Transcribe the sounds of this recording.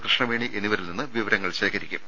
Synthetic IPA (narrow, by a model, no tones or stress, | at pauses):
prɐɕɳɐʋeːɳiʔe̞nːiʋɐɾilninːɨʋiʋɐɾɐŋːɐɭɕeːkɐɾikʲːṵm